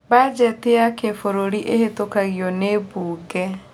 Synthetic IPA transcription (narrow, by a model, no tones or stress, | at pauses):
bad͡ʒɛteakefoɾoɾiʔehetokaɣiɔnebuːɡɛ